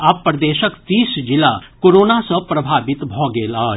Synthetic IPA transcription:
appːɾəd̪eːʃəkt̪iːsd͡ʒɪla̰koːɾoːnasɐpɾɐbʱaːʋɪt̪bʱɔːɡeːlaː

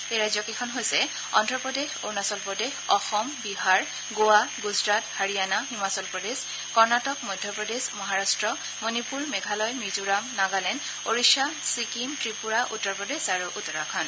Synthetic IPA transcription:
ejɹajzjɔkekʰɔnɦojsɛ | ɔ̰ndɹɔpɹɔdexo̰nasɔlpɔdexɔxɔmbiɦaɹ | ɡowaɡuzɹathaɹijanaɦimasɔlpɹɔdes | kɔɹnatɔk̚mɔjdʱjɔpɹɔdezmɔɦaɹastɹɔ | monipuɹmɛɡʱalɔjmizuɹamnaɡalɛn | oɹiʃasikimtɹipuɹaʔutːɔɹpɹɔdezaɹuʔutːɔɹakʰɔn

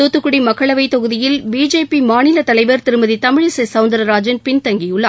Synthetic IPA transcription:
oːt̪ːɯkːɯɽimɐkːɐɭɐʋɐɪt̪ːɔɣɯðɪjɪlbiːd͡ʒeːpimaːnɪlɐt̪ɐlɐɪʋɐɾt̪ɪɾɯmɐðit̪ɐmɪɻɯsɐsɐʊnd̪ɐɾɐɾaːd͡ʒɪnpɪnt̪ɐŋɡɪjɯɭːɐ

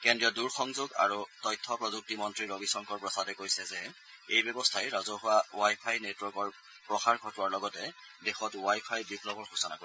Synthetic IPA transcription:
kɛndɹijɔduɹxɔŋzoɡa̰ɹutɔjtʰːɔpɹɔzuk̚timɔntɹiɹobisɔŋkɔɹpɹɔsadɛkojsɛzɛ | ejbjɔbɔstʰajɹazɔɦʊwaowajpʰajnetwɔɹkɔɹ | pɹɔxaɹɡʱɔtʊwaɹlɔɡɔtɛ | dexɔtwajpʰajbiplɔbɔɹxusɔna̰ko

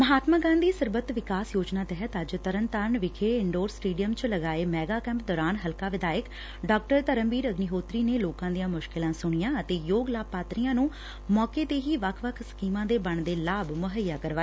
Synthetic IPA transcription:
məɦaːt̪maːɡãːnd̪iːsəɾbət̪ʋɪkaːsjoːd͡ʒnaːt̪ɛɦət̪əd͡ʒt̪əɾənt̪aːɾɳʋɪkʰeːɪɳɖoːɾsʈiːɖijəmt͡ʃləɡaːeːmɛːɡaːkɛ̃ːmp̚d̪ɔːɾaːnɦəlkaːʋɪd̪aːjək | ɖɔːk̚ʈəɾt̪əɾəmʋiːɾəɡniɦoːt̪ɾiːneːloːkãːd̪ijãːmʊʃkɪlãːsʊɽ̃ɪjãːət̪eːjoːɡlaːpaːt̪ɾijãːnũː | mɔːkeːt̪eːɦiːʋəkʰʋəkʰskiːmãːd̪eːbəɳd̪eːlaːbmʊɦəjːaːkəɾʋaː

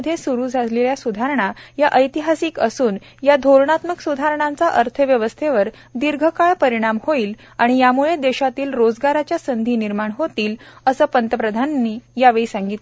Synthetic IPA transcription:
d̪ʱːjesuɾuːd͡zʱaleljasud̪ʱaɾəɳ̃ajaʔəjt̪iɦasiːkəsuːn | jad̪ʱoɾɳat̪məksud̪ʱaɾɳ̃ãnt͡saʔəɾt̪ʰəʋjəʋəst̪ʰeʋəɾ | d̪iɾɡʱəkaɭpəɾiɽ̃amhoiːl | aɽ̃ijamuɭed̪eɕat̪iːlɾod͡zɡaɾat͡ɕjasənd̪ʱiːniɾmaɳɦot̪iːləsəːpənt̪əpɾəd̪ʱanːiːjaʋeɭisaŋɡit̪l

